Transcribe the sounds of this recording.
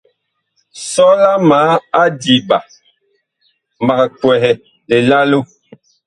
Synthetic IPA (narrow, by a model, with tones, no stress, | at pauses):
sɔ˦la˦maː˨˦a˦di˨ba˨ | ma˨kkwɛ˨ɦɛ˨ | le˨la˦lo˦